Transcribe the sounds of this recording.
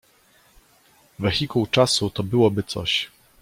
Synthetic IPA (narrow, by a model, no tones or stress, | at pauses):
vɛxʲikuwt͡ʂasut̪ɔbɘwɔbɘt̪sɔ̰ɕ